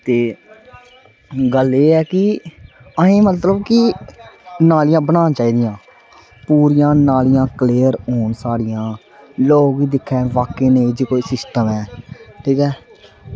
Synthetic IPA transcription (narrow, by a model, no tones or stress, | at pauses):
t̪eː | ɡəleːɛːkɪ | əẽːmət̪ləbkɪ | naːlɪjãːbəɽaːt͡ʃaːiːd̪ɪjãː | puːɾɪjãːnaːlɪjãːkleːəɾɦoːɳsaːɽɪjãː | loːɡiːd̪ɪkʰːɛːʋaːkeːneːd͡ʒeːkoːiːsɪsʈəmɛːʈʰiːkɛː